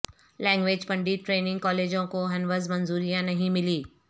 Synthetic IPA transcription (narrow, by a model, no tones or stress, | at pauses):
lɛ̃ːŋɡʋeːd͡ʒpɐ̃ɳɖiʈɾeːnɪ̃ŋɡkɔːleːd͡ʒõkoɦɐnʋəzmɐnzuːɾijãnɐɦĩmɪliː